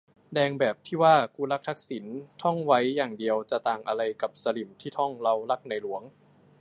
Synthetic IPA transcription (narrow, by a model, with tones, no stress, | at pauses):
dɛː˧ŋbɛː˨˩p̚t̪ʰiː˥˩waː˥˩kuː˧la˦˥k̚t̪ʰa˦˥k̚si˩˦nt̪ʰɔ˥˩ŋwa˦˥jːaː˨˩ŋdi˧əwt͡ɕa˨˩t̪aː˨˩ŋʔa˧ɾa˧jka˨˩p̚sa˧li˨˩mt̪ʰiː˥˩t̪ʰɔ˥˩ŋla˧wla˦˥k̚na˧jlu˩˦əŋ